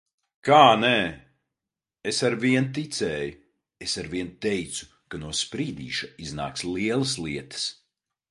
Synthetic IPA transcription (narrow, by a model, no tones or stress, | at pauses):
kaːnɛ | esaɾviɛnt̪̬it̪sɛːju | esaɾviɛnt̪ɛjt̪su̥ | kanuɔspɾiːd̪ḭːʃaizna̰ːkslˠiɛlˠɐslˠiɛt̪ɐ̥s